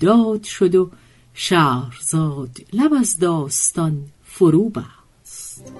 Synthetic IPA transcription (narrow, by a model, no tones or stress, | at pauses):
d̪ɒːd̪̥ʃod̪o | ʃæːɾzɒːd̪læbæzd̪ɒːst̪ɒn | foɾuːbæ | st̪